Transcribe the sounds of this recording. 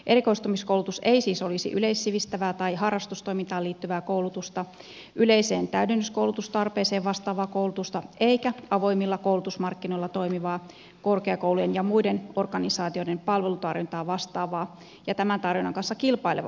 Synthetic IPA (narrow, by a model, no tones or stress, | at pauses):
ʔeɾikoist̪umiskoulut̪useisiːsolisḭʔyleissiʋist̪æʋæːt̪ɑihɑrːɑst̪ust̪o̞imint̪ɑːliːt̪ːyʋæːkowlut̪ust̪ɑ | ʔyleiseːnt̪æydenːyskouwlut̪ust̪ɑrpeːseːʋʋɑst̪ɑːʋɑːkoulut̪ust̪ɑʔeikæɑʋo̞imːilːɑkoulut̪usmɑrkːino̞ilːɑt̪oimiʋɑː | korkeɑkoulujenjɑmuidenorɡ̥ɑnisɑːt̪io̞dempɑlʋelut̪ɑrʋint̪ɑːʋɑst̪ɑːʋɑː | jɑt̪æmænt̪ɑrʋinɑŋkɑnsːɑkilpɑileʋɑ̰